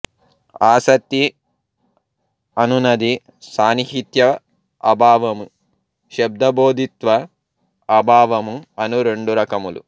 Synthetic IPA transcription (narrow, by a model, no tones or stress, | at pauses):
aːsɐt̪ːi | ɐnunɐd̪i | saːniɦit̪jɐ | ɐ̰bʱaːʋɐmu | ʃɐb̚d̪ɐboːd̪ʱit̪ʋɐ | ɐbʱaːʋɐmuɐnuɾeɳɖuɾɐkɐmulṵ